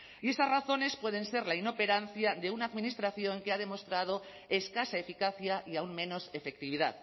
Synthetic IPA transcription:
ie̞st̪azraθo̞ne̞spwe̞ð̞e̞nse̞ɾlaino̞pe̞ɾan̟θjad̪e̞unaːðminist̪ɾaθjo̞ŋke̞að̞e̞mo̞st̪ɾað̞o̞ | e̞skasaefikaθjaʔiauŋmẽ̞no̞sefek̚t̪iβ̞iða̰ð

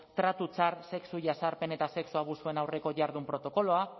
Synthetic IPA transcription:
t̪ɾat̪ut͡saɾse̞ksuʝasaɾpe̞ne̞t̪ase̞ksuaβusue̞nawre̞ko̞ʝaɾðumpɾo̞t̪o̞ko̞lo̞a

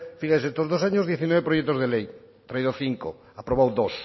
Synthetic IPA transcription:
fiɣajsest̪ozðosaɲozðjeθinwɛβepɾoʃɛt̪ozðelej | t̪ɾaiðoθiŋko̰ | apɾoβowðos

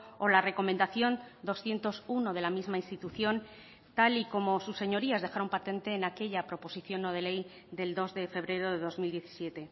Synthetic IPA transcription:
o̞lare̞ko̞mẽnd̪aθjo̞nd̪o̞sθje̞nt̪o̞suno̞ð̞e̞lamizmainst̪it̪uθjo̞n | t̪aliko̞mo̞susːe̞ɲo̞ɾiazðe̞xaɾo̞mpat̪e̞nt̪e̞ːnake̞ʎapɾo̞po̞siθjo̞nːoð̞e̞le̞j | d̪e̞ld̪o̞zðe̞fe̞β̞ɾe̞ɾo̞ðe̞ðo̞zmild̪je̞θi̥sje̞t̪e̞

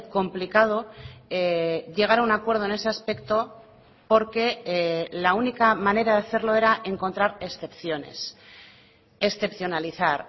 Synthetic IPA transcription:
ko̞mplikað̞o̞eʝe̞ɣ̞aɾaunakwe̞ɾð̞o̞e̞ne̞seaspe̞kt̪o̞ | po̞ɾke̞launikamãne̞ɾaðeaθe̞ɾlo̞e̞ɾaʔe̞ŋko̞nt̪ɾaɾe̞sθe̞pθjo̞ne̞̰s | esθe̞pθjo̞naliθaɾ

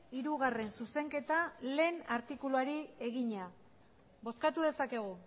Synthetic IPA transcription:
iɾuɣ̞are̞nsuse̞ŋke̞t̪ale̞ːnaɾt̪ikuluaɾie̞ɣiɲa | bo̞skat̪uðe̞sake̞ɣ̞u

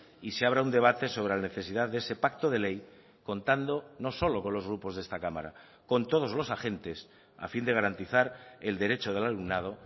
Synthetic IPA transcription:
iseaβ̞ɾaund̪e̞β̞at̪e̞so̞β̞ɾelane̞θe̞siðaððeese̞pak̚t̪o̞ð̞e̞le̞j | ko̞nt̪and̪o̞no̞so̞lo̞ko̞nlo̞zɣ̞ɾupo̞zðest̪akama̰ɾa̰ | ko̞nt̪o̞ð̞o̞zlo̞saxe̞nt̪e̞s | a̰find̪e̞ɣ̞aɾant̪iθaɾe̞ld̪e̞ɾe̞t͡ʃoð̞e̞lalumnað̞o̞

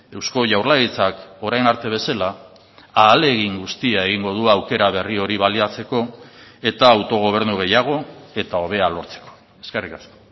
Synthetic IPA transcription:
e̞wsko̞ʝawrlaɣit͡sako̞ɾajnaɾt̪e̞β̞e̞sela | aːle̞ɣiŋɡust̪iae̞ɣ̞iŋɡo̞ð̞uawke̞ɾaβ̞e̞rio̞ɾiβaliat͡se̞ko̞e̞t̪aːwt̪o̞ɣ̞o̞β̞e̞ɾnuɣe̞jaɣ̞o̞e̞t̪ao̞β̞e̞alo̞ɾt͡se̞̥ko̥ | e̞ske̞rikasko̥

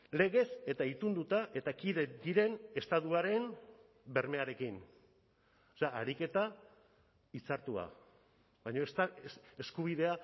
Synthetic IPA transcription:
le̞ɣ̞e̞se̞t̪ait̪und̪ut̪aʔe̞t̪akiðe̞d̪iɾe̞ne̞st̪aðuaɾe̞n | be̞ɾme̞aɾe̞kin | oseaaɾike̞t̪a | it͡saɾt̪ua̰ | βajɲo̞est̪aese̞skuβ̞iðe̞a

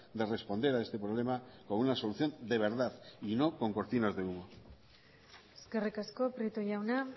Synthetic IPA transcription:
d̪e̞re̞spo̞nd̪e̞ɾae̞st̪e̞pɾoβ̞le̞makounaso̞luθjo̞nd̪e̞β̞e̞ɾðaθino̞ko̞ŋko̞ɾt̪inazðeuɣo | eske̞rikasko̞pɾit̪oʝawna

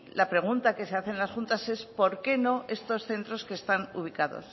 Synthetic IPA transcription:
lapɾe̞ɣ̞unt̪ake̞se̞aθe̞nlasxunt̪ase̞spo̞ɾke̞no̞e̞st̪o̞sθe̞nt̪ɾo̞ske̞ːst̪anuβ̞ikaðo̰s

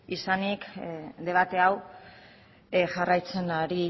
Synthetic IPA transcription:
isanikd̪e̞β̞at̪e̞aw | ʝarajt͡se̞naɾi

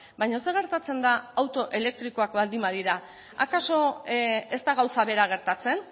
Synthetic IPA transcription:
bajɲoseɣ̞e̞ɾt̪at͡se̞nd̪aːwt̪o̞ʔe̞le̞k̚t̪ɾiko̞akbald̪imaðiɾa | akaso̞e̞st̪aɣ̞awsaβe̞ɾaɣ̞e̞ɾt̪at͡se̞n

